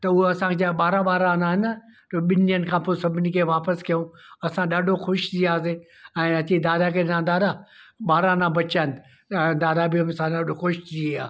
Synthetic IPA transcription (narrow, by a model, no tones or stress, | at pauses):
t̪ɐuɐsãkʰed͡ʑaɓaːɾãɓaːɾãnaːɦɪnət̪oɓɪnijənɪ̆kʰãːposɐbʱɪnikʰeʋaːpəskijõɐsãɗaɖʱoxʊʃt̪iaːseː | ɛ̃ːɐtid̪aːd̪akʰeɗɪnãnd̪aːɾaɓaːɾãnãbɐt͡ʃaɪn | d̪aːd̪abiɐmsãɗaɖʱoxʊʃtʰiaː